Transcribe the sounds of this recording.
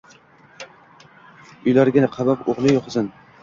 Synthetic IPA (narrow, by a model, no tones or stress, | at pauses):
ʊjlaɾɡʲɪnaqʰɑbapoʁlˠɪjoqʰzɪn